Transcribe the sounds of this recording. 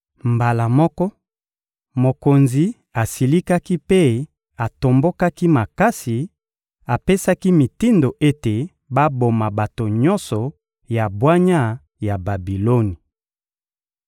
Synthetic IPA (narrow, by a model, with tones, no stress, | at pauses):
mba˨la˨mɔ˦kɔ˦ | mo˨ko˨nzi˨ | a˨si˨li˦ka˦ki˦pe˦ | a˨to˨mbo˦ka˦ki˦ma˨ka˦si˨ | a˨pe˦sa˦ki˦mi˨ti˦ndo˨ʔe˦te˨ | ba˦bo˨ma˨ba˨to˨ɲɔ˦nsɔ˨ | ja˨bwa˦ɲa˦ | ja˨ba˨bi˨lo˦ni˨